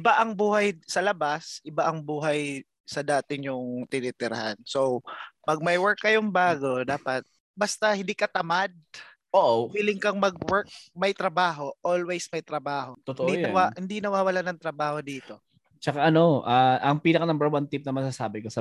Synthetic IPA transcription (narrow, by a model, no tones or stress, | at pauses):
ʔɪbaʔɐŋbuːhɐjsɐlɐbasʔɪbaʔɐŋbuːɦɐj | sɐd̪aːt̪ɪɲʊŋt̪ɪnɛːt̪ɪɾɐ̰hansowpɐɡ̚mɐjwɛɹkːɐjoŋbaːɡo̞d̪aːpɐt̪̚ | bɐst̪ɐhɪ̃nd̪ikɐt̪ɐmad̪̚ | ʔoʔwiːlɪŋkɐŋmɐɡ̚wɛɹk̚mɐjt̪ɾɐbaːɦo̞ʔolwejsmɐjt̪ɾɐbaːɦo̞t̪ot̪oʔd̪ijnɐwahɪnd̪inɐwaːwɐlanɐŋt̪ɾɐbaːho̞d̪iːt̪o̞ | t͡ʃɐkaʔɐno̞ʔaʔɐŋpiːnɐkɐnɐmbɛɹwant̪ɪp̚nɐmɐsasaːbɪkosɐ